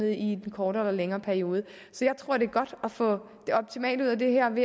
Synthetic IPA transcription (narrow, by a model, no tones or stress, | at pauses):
əðˠi̥enkʰɒːɾəelɐleŋɐːpʰæɐio̝ːð̞ˠə | sɒ̽jɑ̈ɪt͡sʰʁo̝ɐ̰ɾ̥e̝ɐɡ̥ɒ̽d̥ɒfɔ̰̽ | d̥e̝ɒ̽b̥̚t͡sʰimɛ̰ːlduð̰ˠæd̥e̝ɦæɐ̰ʋe̝